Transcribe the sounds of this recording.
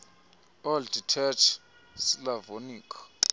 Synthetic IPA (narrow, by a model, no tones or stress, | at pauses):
ɔlditʰɛt͡ʃʰ | slavoniːkʰḁ